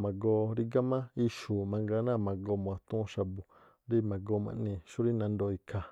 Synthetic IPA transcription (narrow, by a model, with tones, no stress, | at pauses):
mã˨ɡo˧ɾi˧ɡa˦mã˦i˧ʃu˨mã˧ŋɡa˧˦nã˦˨mã˨ɡo˧mõ˨ã˨˧t̪ũ˦˧˦ʃa˧bu˨ | ɾi˦mã˨ɡo˧˦mã̰˧nĩ˧ʃu˦ɾi˦nã˧nd̪o˧i˧kʰa˧˨